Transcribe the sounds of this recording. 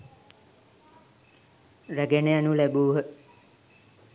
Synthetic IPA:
ræɡenejanulæbuːɦə

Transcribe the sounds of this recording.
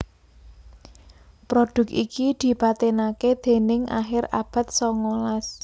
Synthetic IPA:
pɾod̥ʊ̤k̚ḭkid̪̥i̤pat̪enaked̪̥e̤nɪŋa̰xɪrab̥a̤t̪̚sɔŋolas

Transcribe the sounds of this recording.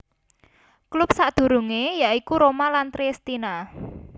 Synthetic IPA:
klʊp̚saʔd̪̥ṳɾuŋejaʔikuɾomalant̪ɾist̪ina

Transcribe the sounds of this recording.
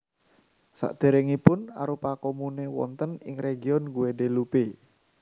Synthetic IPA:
sa̰ʔd̪̥e̤ɾeŋipʊna̰ɾupakomunewɔ̰nt̪ənɪ̰ŋreɡiɔnɡuwedelupe

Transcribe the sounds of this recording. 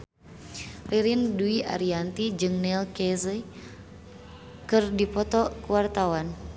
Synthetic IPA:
riɾinduiʔa̰ɾiant̪id͡ʒɨŋnɛlkɛzə | kɨrdipɔt̪ɔkuwart̪awan

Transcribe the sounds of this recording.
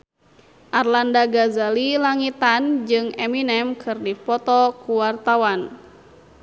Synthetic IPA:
ʔarlandaɡazalilaŋit̪and͡ʒɨŋɛminɛmkʰɨrdipɔt̪ɔkuwart̪awan

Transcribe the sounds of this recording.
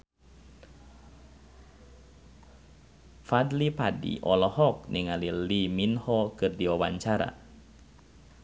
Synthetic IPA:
fadlipadḭʔɔlɔhɔk̚niŋaliliminhɔkɨrdiwawa̰ɲt͡ʃaɾa̰

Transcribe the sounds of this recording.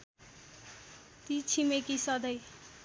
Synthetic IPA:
t̪it͡sʰimekisʌd̪ʌj

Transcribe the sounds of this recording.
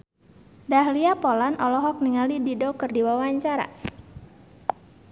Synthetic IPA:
daɦliapɔlanʔɔlɔɦɔk̚niŋalididokɨrdiwawaɲt͡ʃaɾa̰

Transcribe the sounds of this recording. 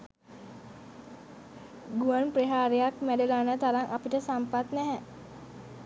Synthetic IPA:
ɡuanpreɦaɾeak̚mædəlanət̪aɾaŋʔapiʈəsampat̪nɛɦɛ

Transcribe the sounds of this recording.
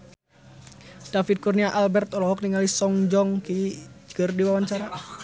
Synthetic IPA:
d̥afit̪̚kurniaʔalbɛrt̪ɔlɔɦɔk̚niŋalisɔŋd͡ʒɔŋkid͡ʒɡərdiwawaɲt͡ʃaɾa

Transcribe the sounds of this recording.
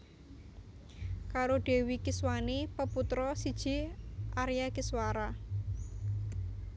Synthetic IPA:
kaɾoɖ̥e̤wikɪswanepəput̪ɾɔsid̥ʒ̥i̤ʔaɾjakiswaɾa

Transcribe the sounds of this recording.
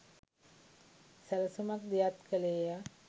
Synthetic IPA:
sæləsumak̚d̪ijat̪kəleja

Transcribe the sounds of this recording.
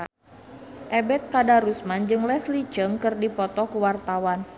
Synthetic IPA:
ʔɛbɛt̪̚kadaɾusmand͡ʒɨŋlɛslit͡ʃəŋkɨrdipɔt̪ɔkəwart̪awan

